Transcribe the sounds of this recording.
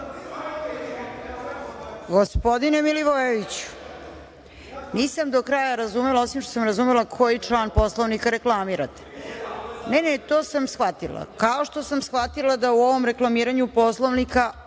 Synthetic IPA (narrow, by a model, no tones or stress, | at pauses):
ɡo̞spo̞d̪inemiliʋoʋeʋit͡ɕu̥ | niːsamd̪o̞kɾaːjaɾazumelao̞simʃt̪osamɾazumelakʰo̞jit͡ʂlˠaːnpo̞slˠoʋnikaɾe̞klˠamiɾat̪e̥ | nenet̪oːsamsxʋat̪ilˠa̰kao̞ʃt̪o̞samsxʋat̪ilˠad̪auo̞ʋo̞mɾe̞klˠamiːɾaɲupo̞slˠoʋnika